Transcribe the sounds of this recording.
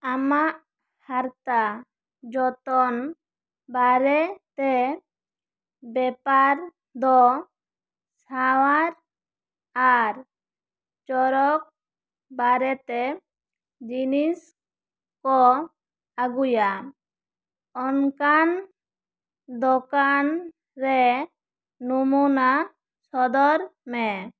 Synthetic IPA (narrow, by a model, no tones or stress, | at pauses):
amaʔ | haɾt̪a | d͡ʒɔt̪ɔn | baɾɛt̪ɛ | bɛpaɾ | d̪ɔ | sawaɾ | aɾ | t͡ʃɔɾɔk̚ | baɾɛt̪ɛ | d͡ʒinis | kɔ | aɡuja | ɔnkan | d̪ɔkan | ɾɛ | numuna | sɔd̪ɔɾmɛ